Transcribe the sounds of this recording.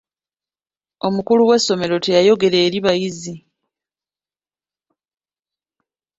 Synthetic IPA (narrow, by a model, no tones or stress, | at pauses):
o̞mukuluwe̞sːo̞me̞ɾo̞te̞jajo̞ɡe̞ɾe̞ːɾiβajizi